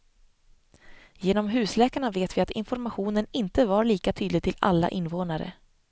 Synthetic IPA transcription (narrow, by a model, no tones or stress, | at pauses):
jeːnɔmɦʉ̟ːslɛːkaɳaveːt̪vɪat̪ɪ̰nfɔɾmaɧuːnənɪnt̪əvaɾɭiːkat̪ʰyːd̪lɪɡ̚t̪ʰɪla̰lːa̰ʔɪnvoːnaɾə̰